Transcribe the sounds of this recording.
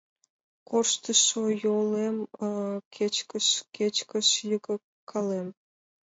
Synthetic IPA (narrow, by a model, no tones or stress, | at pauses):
korʃt̪əʃojolemkʰet͡ɕkəʃket͡ɕkə̆ʃjəkə̆ | kʰːɑlem